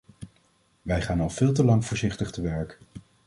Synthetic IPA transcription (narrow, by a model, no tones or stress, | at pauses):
ʋɛjχaːnɑlˠv̥ɪːlˠt̬əlɑŋvʊːɹzɪχtəχtəʋɛɹk